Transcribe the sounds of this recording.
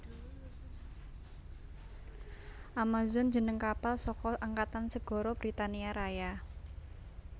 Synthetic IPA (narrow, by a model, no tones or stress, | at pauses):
ʔamazɔnd͡ʒənəŋkapalsɔkɔʔaŋkat̪ansəɡ̥ɔ̤ɾɔb̥ɾit̪aniaɾaja